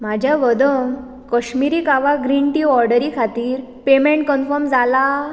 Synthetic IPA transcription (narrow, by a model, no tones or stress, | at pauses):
mad͡ʑʱjaʋəd̪əŋ | kəɕmiɾiːkaʋaɡɾiɳʈiːɔɾɖəɾikʰat̪iːɾ | pemẽɳʈ̚kənfəɾmd͡zala